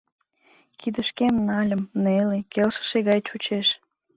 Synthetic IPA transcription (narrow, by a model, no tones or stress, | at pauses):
kid̪əʃkemnɑlʲəmnelekelʃə̥ʃeɣɑjt͡ɕut͡ɕeʃ